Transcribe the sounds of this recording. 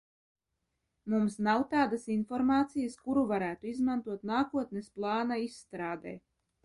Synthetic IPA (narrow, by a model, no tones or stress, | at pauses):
mumsnawt̪aːd̪asinfɔɾmaːt̪sijəskuɾuvaɾæːt̪uizmant̪uɔt̪naːkuɔt̪nesplˠɑːnaisːt̪ɾaːd̪ɛ̰ː